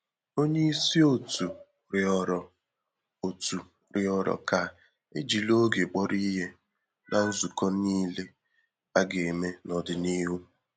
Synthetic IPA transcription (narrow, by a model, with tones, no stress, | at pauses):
o˦ɲe˦i˦si˦o˦tu˨ | ɾɪ˨ɔ˨ɾɔ˨ | o˨tu˨ | ɾɪ˨ɔ˨ɾɔ̰˨ka˨ | ḛ˦d͡ʒi˨lo˦ɡe˨k͡pɔ˦ɾi˦ɦe˦ | nʔa˦n̩˦zu˨kɔ˦niː˦le˦ | a˦ɡe˨e˨me˦nɔ˨dɪ˨ni˦ɦu˦